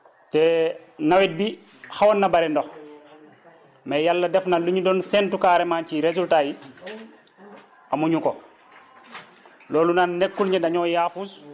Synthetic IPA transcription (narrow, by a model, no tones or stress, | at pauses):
tɛː | nawit̚bi | hawanːabaɾɛndɔx | mɛjalːɐdɛfnaluɲudɔnsɛntukaɾemaːnciɾezultaji | amuɲuko | loːlunaːnːekːulɲɛdaɲɔːjaːfus